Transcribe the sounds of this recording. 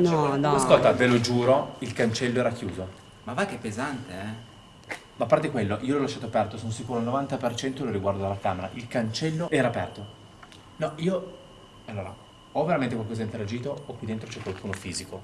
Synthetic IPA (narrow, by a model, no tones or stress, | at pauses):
nɔnɔaskolt̪avelod͡ʒuːɾoilkant͡ʃɛlːoɛːɾak̟juːzo | mavakepːezant̪eɛ | maːpːart̪ekwelːoʔiːolɔlaʃːaːt̪oapɛrt̪osonosikuːɾoalnovant̪apert͡ʃɛnt̪oloɾiɡward̪oalːakaːmeɾa̰ʔilkant͡ʃɛlːoɛːɾapɛrt̪o | nɔiːo | alːoːɾa̰ | ɔvːeɾament̪ekwalkɔzaint̪eɾad͡ʒiːt̪oːkːid̪ent̪ɾot͡ʃɛkwalkuːnofiːziko